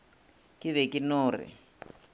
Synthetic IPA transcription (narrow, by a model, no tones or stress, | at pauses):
kɪβɛkʼinʊːrɪ̰